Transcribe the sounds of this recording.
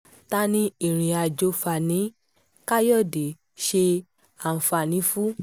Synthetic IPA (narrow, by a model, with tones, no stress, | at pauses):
ta˦nĩ˧˦ĩ˦˨ɾ̃ĩ˨a˧d͡ʒo˧fa˨nĩ˨˦ | ka˦jɔ˦˨de˨˦ | ʃe˧ | a˦˨fa˨nĩ˨˦fu˦